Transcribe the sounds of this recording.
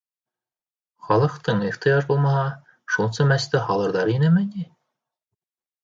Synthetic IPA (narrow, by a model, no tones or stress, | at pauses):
χɑlˠɤ̆qt̪ɤɴiχt̪ɤjɑʒbulˠmɑɦɑ | ʃulˠsɤmæst̪ɘhɑlˠɤ̆ɾðɑɾinɘmɘni